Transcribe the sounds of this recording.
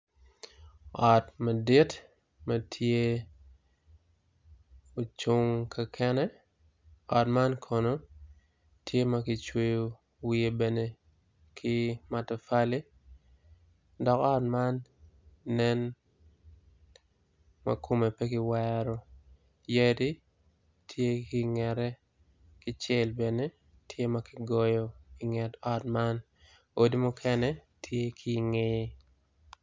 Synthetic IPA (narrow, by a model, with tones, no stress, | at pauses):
ɔ˨tmɐ˨di˦t | mɐtʰje˦ | o˨t͡ʃu˦ŋkʰa˨kʰɛ˦nɛ | ɔ˨tma˦nkʰo˨no˨ | tʰje˦mɐkɪ˨t͡ʃwe˦jo˨ | wie˨bɛ˨ne˨ | kʰi˦ma˨tɛ˨fa˦li˦ | dɔ˨kɔ˦tma˦nː | ɛ˦n | mɐ̰˦ko˦me˨pe˦kɪ˦wɛɾɔ˦ | je˦di˦ | tʰje˦kɪ˨ŋɛ˨ɾɛ˦ | kɪ˦t͡ʃe˦lbe˨ne˦ | tʰje˦mɐ˦kɪ˦ɡɔ˦jɔ˨i˨ŋɛ˨tɔ˦tma˦n | o˨di˦mʊ˦kʰɛ˦nɛ˦ | tʰje˦kʰi˦ŋeje˦